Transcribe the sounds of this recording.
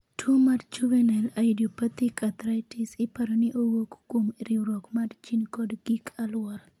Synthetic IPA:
tʰomadt͡ʃuvɛnalaidopat̪ikʰat̪ɾajtisɪpaɾɔnɪʔowokːomɾiwɾɔkmadt͡ʃinkɔdɡikʰalwɔɾ

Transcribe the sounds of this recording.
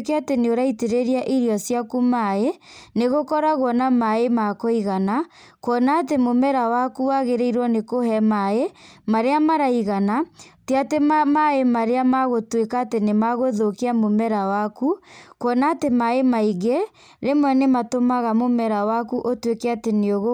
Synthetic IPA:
keateneoɾaiteɾeɾiaʔiɾjɔsjakumaeneɣokɔɾaɣwɔnamaemakoiɣana | kwɔnaːtemomɛɾawakuwaɣeɾeiɾwɔnekoɦɛmaemaɾeamaɾaiɣanateatemamaemaɾeamaɣotwekaːtenemaɣoðokeamomɛɾawakukɔnaːtemaemaiɣe | ɾemwɛnematomaɣamomɛɾawakuʔotwekeateneoɣo

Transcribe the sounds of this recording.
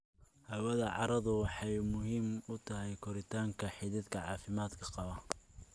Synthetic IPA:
hɐwɐðɐʕɑ̰ɾɐðʊwɑħɑjmʊɦiːmʊt̪ʰɐɦɛjkʰɔɾɪt̪ʰaːŋkʰɐħɪðɪd̪kʰɐʕɑːfɪmaːd̪kʰɐqɑβɐ

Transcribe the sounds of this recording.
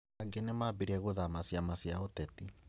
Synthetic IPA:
aɡenemabiɾɛɣoðamasiamasiaotɛti

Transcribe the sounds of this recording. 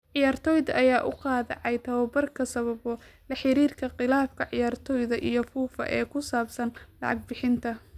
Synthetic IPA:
ʕɪjaːrt̪ʰɔːjðɐʔɐjaːʔʊqɑːðɛ̰ʕɑjt̪ʰɐβɐbɐrkʰɐsɐβɐβɔlɐħɪɾiːrkʰɐqɪlaːfkʰɐʕɪjaːrt̪ʰɔːjðɐʔijɞfuːfɐ̰ʔɛːkʰʊsaːbsɐnlɑ̰ʕɑɡ̚bɪħɪnt̪ʰɐ

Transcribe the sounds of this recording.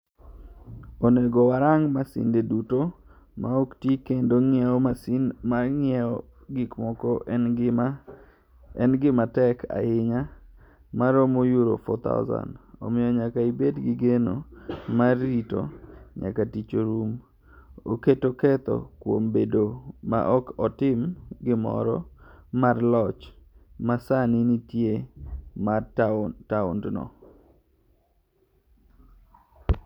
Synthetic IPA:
oneɡowaɾaŋmasɪ̰ndeduto | maoktikendoŋɪɛɔmasinmaŋɛɔ | ɡikmɔkɔʔ | ɛnɡɪmatɛkʰa̰ɪɲa | maɾomojuɾo̰fɔ̰t̪a̰ʊza̰nɔ̰mɪjɔɲakaibedɡɪɡeno̰marːito̰ɲa̰katit͡ʃoɾum | oketokɛt̪ɔ̰kwombedoma̰ʔɔkɔtɪmɡɪmɔ̰ɾɔ̰marlɔt͡ʃmasanɪnitjemataʊ̰ndnɔ̰

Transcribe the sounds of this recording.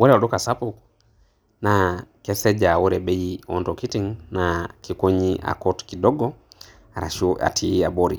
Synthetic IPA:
wɔɾɛɔɗɔkasapuk | nakɛsɛd͡ʒawɔɾɛɓejiɔntokitiŋnakikoɲiʔa̰kɔtkidɔɡɔ | aɾa̰ʃua̰tʰiiaboɾḭ

